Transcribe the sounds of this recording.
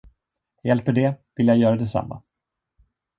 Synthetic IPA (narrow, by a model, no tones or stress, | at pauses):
jɛlpəɖɛvɪljajœːɾɛd̪ɛsa̰mːa̰